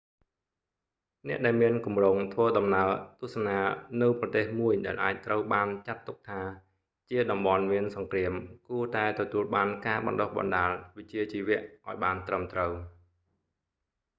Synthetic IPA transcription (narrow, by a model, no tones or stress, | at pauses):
nɛ̆əʔɗaɛlmiənkumroːŋt̪ʰʋəːɗɑmnaət̪ʊ̆əhsanaːnɨwprɑt̪eːhmuəjɗaɛlʔaːc̚t̪rəwɓaːnt͡ɕat̪ːuk̚t̪ʰaː | t͡ɕiəɗɑmɓɑnmiənsɑŋkriəmkuət̪aɛt̪ɔt̪uəlɓaːnkaːɓɑ̰nɗohɓɑ̰nɗaːlʋɨc̚t͡ɕiət͡ɕiːʋɛ̆əʔʔaɔjɓaːnt̪rəmt̪rəw